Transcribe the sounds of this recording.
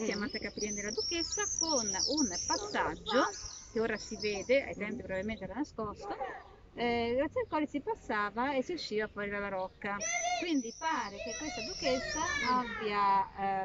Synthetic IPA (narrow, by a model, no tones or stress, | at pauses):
siamat̪ːakapiɾɛnd̪eɾelad̪uket̪sːakonunpasːad͡ʒːok̟eoːɾasivɛːd̪ea̰jt̪ɛmpipɾovavilment̪eɛɾanaskɔst̪o | ɡɾat̪sːialkwaːlisipasːaːvaesːiuʃːiːvapːaɾiɾalaɾɔkːakwind̪ipaːɾek̟ekːwest̪ad̪uket̪sːaabja